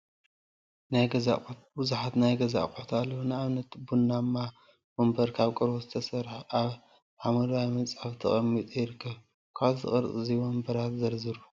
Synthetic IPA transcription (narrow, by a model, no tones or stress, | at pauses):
najɡɐza̰ | bɨzaħat̪najɡɐza̰kʼt̪ʰalːɐwnɨaβnɐt̪bunːamːa | wombɐɾkʰaβkʼɨɾbozɨt̪ʰɐsɐɾħʔaβ | ħamɨɾajmɐt͡sʼaβt̪ʰɐχʼɐmːit̪ʼujɪɾɨkʰːɐβ | kʰaβzɨ̰χʼɨɾt͡sʼɨziwombɐɾat̪zɐɾzɨɾu